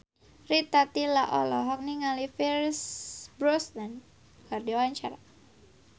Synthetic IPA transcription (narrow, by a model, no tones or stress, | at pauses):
rit̪at̪ilaʔɔlɔɦɔk̚niŋalifiɾsbɾɔsnan | kardiwaɲt͡ʃa̰ɾa